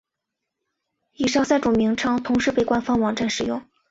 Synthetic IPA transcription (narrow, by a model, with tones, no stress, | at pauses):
i˨˩ʂɑ˥˧ʊsa˥˩ɪʈ͡ʂʊ˨˩mi˧˥ŋʈ͡ʂʰɑ˥ŋt̪ʰʊ˧˥ŋʂɻ̩˥˧pe˥˩ɪkwa˥nfɑ˥ŋwɑ˨˩ŋʈ͡ʂa˥˩nʂɻ̩˨˩jʊ˥˩ŋ